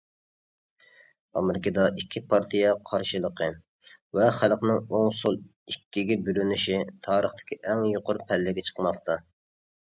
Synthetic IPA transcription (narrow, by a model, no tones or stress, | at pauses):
ɑ̰mɪɾɪkʰɑd̪ɑʔikʲʰːipʰɑɾt̪ʰijɛqʰɑɾʃɨlˠəqʰə | vɛχælˠqnɪŋoŋsolˠ | ikʲːiɡʲɛbylynyʃit̪ʰɑːɾəχt̪ʰɪ̥kʲʰiʔɛŋjoqʊɾpʰɛlːɪɡʲɛt͡ʃʰə̥qmɑqt̪ʰɑ